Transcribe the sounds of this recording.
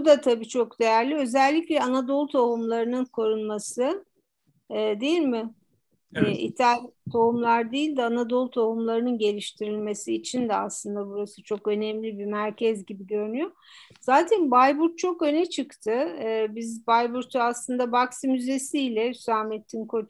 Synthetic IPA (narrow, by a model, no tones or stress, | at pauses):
bud̪at̪ʰabiːt͡ʃʰo̞kd̪e̞jæɾlʲiø̞zɛlʲːiclʲɛanad̪o̞lˠt̪ʰoɦumlˠaɾɯnɯnkʰo̞ɾunmasɯ | d̪e̞jilʲmɪ | ḭt̪ʰalʲt̪ʰoumlˠaɾd̪ejilʲd̪ɛanad̪o̞lˠt̪ʰoɦumlˠaɾɯnɯnɟe̞lʲiʃt̪ʰiɾilʲme̞siːt͡ʃʰind̪ɛaslˠɯnd̪abuɾasɯt͡ʃʰo̞kø̞nɛmlʲibimæɾcʰɛzɟibiɟø̞ɾynyjo̞ | z̥aːt̪ʰɛnbajbuɾt̪̚t͡ʃʰo̞kø̞nɛt͡ʃʰɯkt̪ʰɯbizbajbuɾt̪ʰuaslˠɯnd̪abaksimyze̞siːlʲɛysaːmet̪ʰːinkʰo̞